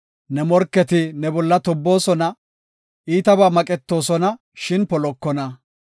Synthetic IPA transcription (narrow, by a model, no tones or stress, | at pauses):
nɛmɔɾkːɛt̪ɪnɛbɔlːɐt̪ɔbːo̞ːsɔnɐ | ʔiːt̪ɐbaːmɐkʼɛt̪ːo̞ːsɔnɐ | ʃɪnpɔlɔkːɔnɐ